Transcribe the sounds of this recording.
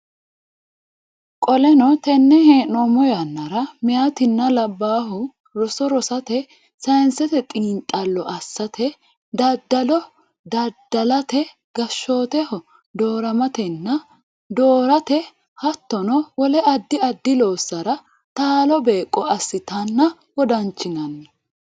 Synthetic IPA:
kʼɔlɛnɔt̪ɛnːɛheːnɔmɔjɐnːɐɾɐmɪjat̪ɪnːɐlɐbːaːɦʊ | ɾɔsɔɾɔsɐt̪ɛ | sɐjnsɛt̪ɛt̪ʼiːnt̪ʼɐlːɔʔɐsːɐt̪ʰɛ | d̪ɐd̪ːɐlɔ | d̪ɐd̪ːɐlɐt̪ɛ | ɡɐʃːo̞ːt̪ɛhɔ | d̪o̞ːɾɐmɐt̪ɛnːɐ | d̪oːɾɐt̪ɛ | hɐt̪ːɔnɔwɔlɛʔɐd̪ːɪɐd̪ːɪlo̞ːsːɐɾɐ | t̪aːlɔbeːkʼːɔɐsːɪt̪ɐnːɐ | wɔd̪ɐnt͡ʃːɪnɐnːɐ

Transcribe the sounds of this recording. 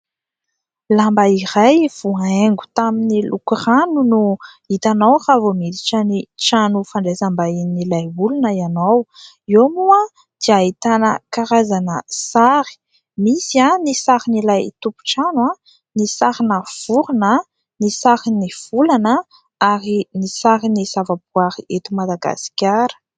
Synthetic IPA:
lambaiɾajv̥uaeŋɡu̥t̪aminilʔukuranunu | it̪anawravomid̪iʈ͡ʂəniʈ͡ʂanufaɳɖ͡ʐezambainilajbulunəianaw | iomua | d̪̥iait̪anəkaɾazanəsaɾi̥ | misianisaɾinilajt̪upu̥ʈ͡ʂanwa | nisaɾinəv̥uɾinə | nisaɾiniv̥ulanə | aɾinisaɾinisavabuaɾiʔet̪umad̪aɡa̰si̥kʲaɾə̥

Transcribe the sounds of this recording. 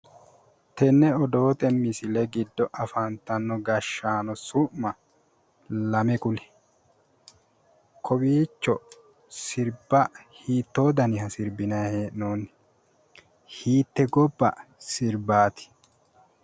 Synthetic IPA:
t̪ɛnːɛɔd̪o̞ːt̪ɛmɪsɪlɛɡɪd̪ːɔʔɐfɐnt̪ːɐnːɔɡɐʃːaːnɔsʊʔmɐ | lɐmɛkʊlɪ̥ | kʰɔbiːt͡ʃːɔ | sɪɾbɐhiːt̪ːoːd̪ɐnɪhɐsɪɾbɪnɐheːʔnoːnːɪ̥ | hiːt̪ːɛɡɔbːɐ̰sɪɾbaːt̪ɪ̥

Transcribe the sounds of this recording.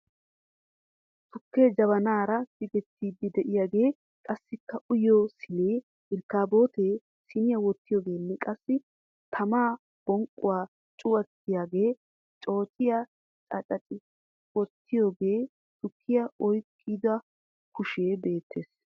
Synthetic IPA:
sʊkːeːd͡ʒɐβɐnaːɾɐd̪ɪɡɛt̪ːiːd̪ːɪd̪ɛʔɪjaːɡe̞ː | kʼɐsːɪkːɐʔʊjoːsɪleː | ɪlkːaːbo̞ːt̪e̞ː | sɪnɪjɐwɔt̪ːɪjo̞ːɡe̞ːnːɛkʼɐsːɪ | t̪ʰɐmaː | b̥ɔŋkʼːʊwaː | t͡ʃʼʊwɐt̪ːɪjaːɡe̞ː | t͡ʃʼo̞ːt͡ʃʼɪja | t͡ʃʼɐt͡ʃʼɐt͡ʃʼɪ | wɔt̪ːɪjo̞ːɡe̞ː | sʊkʰːɪjaɔjkʰʼːɪd̪ʊɐ | kʊʃe̞ːbe̞ːt̪ʰːe̞ːs

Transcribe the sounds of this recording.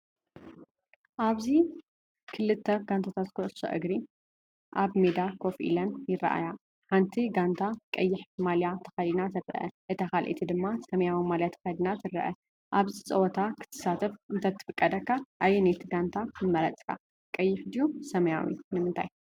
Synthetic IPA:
ʔaβzi | kʰɨlɨt̪ʰːɐɡ̥ant̪ʰat̪ʰat̪kʰoʔɨso̰ʔɨɡɾi | ʔaβmed̪akʰo̞fʔḭlɐnjɪrɐ̰ʔa̰ja | ħant̪ʰiɡant̪ʰakʼɐjːɪħmaljat̪ʰɐ̥xajd̪nazʰɐɾɐ̰ʔɐ̰ʔɨt̪ʰɐxalʔḛt̪ʰid̪ɨmːasɐmjawimaljat̪ʰɐ̥xɐd̪nat̪ɨɾːɐ̰ʔɐ | ʔaβzit͡sʼɐwɔt̪ʰakʰɨ̥t̪ʰɨ̥sat̪ʰɐfʔɨnt̪ʰɐt̪ʰːɨ̥fɨkʼːɐd̪ɐkːaʔajːɛnet̪ʰiɡant̪ʰaɨmːɐɾɐt͡sʼkʰa̰ | kʼɐjːɪħd̪ijusɐmɐja̰wḭnɨmɨnt̪ʰa̰j

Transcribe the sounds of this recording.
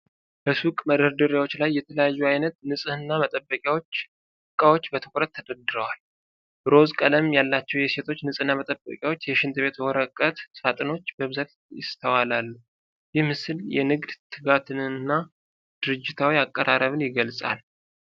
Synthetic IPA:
b̥əsukʼməd̪əɾd̪ɨɾjawo̞t͡ʃːlajːɛt̪ʰələjajːuajnət̪nɨsʼɨhɨnːamət̪ʼəbːəkʼjawo̞t͡ʃː | ɨkʼːawo̞t͡ʃːbət̪ʰɨkʷʼɾət̪ʰːəd̪əd̪ɨɾəwal | bɾo̞zkʼələmjalːat͡ʃːɛwjɛse̞t̪ʰo̞t͡ʃːnɨsʼɨnːamət̪ʼəbːə̰kʼjawo̞t͡ʃːjɛʃɪnt̪ʰɨβe̞t̪wɔɾəkʼːət̪sat̪ʼɨno̞t͡ʃːbəβɨzat̪ | jɪ̰st̪ʰəwalalːu | jɪhmɨsɨljɛ̰nɨɡd̪t̪ʰɨɡat̪ʰɨnɨnːa | d̪̥ɨɾɨd͡ʒːɪt̪ʰawiakʼːəɾʔaɾəβɨnjɪɡəlsʼa̰l

